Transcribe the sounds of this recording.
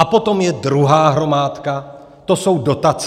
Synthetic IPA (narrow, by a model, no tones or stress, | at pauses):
apo̞t̪o̞mjɛd̪ɾuɦaːɦɾo̞maːt̪ka | t̪oso̞wdo̞t̪at͡s